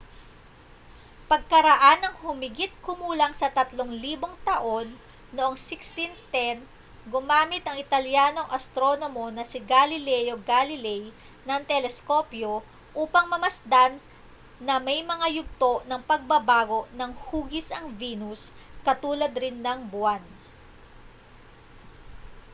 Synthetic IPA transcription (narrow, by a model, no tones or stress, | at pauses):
pɐɡ̚kɐɾɐʔanɐŋhʊmɪɡit̪̚kʊmuːlɐŋsɐt̪ɐt̪loŋliːbo̞ŋt̪ɐʔo̞nː | oʔoŋsɪkst̪int̪ɛn | ɡʊmaːmɪt̪ɐŋɪt̪ɐljaːno̞ŋʔɐst̪ɾo̞nomo̞nɐsɪɡalɪlɛjo̞ɡalɪlɛj | nɐŋt̪ɛlɛsko̞pjo̞ | ʔuːpɐŋmɐmɐsd̪anː | ɐmɐjmɐŋajʊɡ̚t̪o̞ʔnɐŋpɐɡ̚bɐbaːɡo̞ʔnɐŋhuːɡɪsɐŋviːnuskɐt̪uːlɐd̪ɾɪnːɐŋbʊan